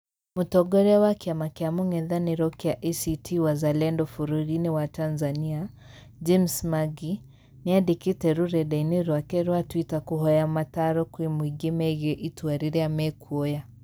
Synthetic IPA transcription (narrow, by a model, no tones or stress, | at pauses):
mutɔɡɔɾɛwakiamakɛamuŋɛðaniɾɔkiaʔɛsitʰiwazalɛndɔfuɾuɾiniwatanzania | d͡ʒimsmaɡi | niadikitɛɾuɾɛɗainiɾwakɛɾwatwitakuɦɔjamataɾɔkwimwiɡimɛɣɛʔituaɾiɾɛamɛkʰuɔja